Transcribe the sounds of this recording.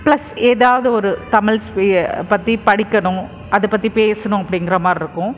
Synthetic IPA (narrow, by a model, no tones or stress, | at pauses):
plɐseːðaːʋɐðɯɔɾɯt̪ɐmɪɭspɐt̪ːipɐɽɪkːɐɳʊ̃ | ʔɐðɯpɐt̪ːipeːsɐɳʊ̃ɐpːɐɽɪŋɡɪɾɐmaːɾɪɾɯkːʊ̃